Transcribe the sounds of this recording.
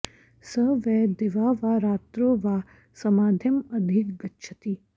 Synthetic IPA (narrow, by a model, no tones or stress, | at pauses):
səʋɛd̪ɪʋaːʋaːɾaːt̪ɾoːʋaː | sɐmaːd̪ʱjɐmɐd̪ʱikɡɐtːʃʰɐt̪iː